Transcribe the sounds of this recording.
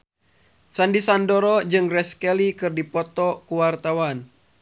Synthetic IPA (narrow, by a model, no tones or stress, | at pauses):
sandisandɔɾɔd͡ʒɨŋrɛskɛlikɨrdipɔt̪ɔkuwart̪awan